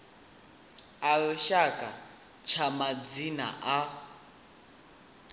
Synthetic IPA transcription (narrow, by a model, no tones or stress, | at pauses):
aɺɔʃakʼa | t͡ʃʰamad͡zina̰ʔa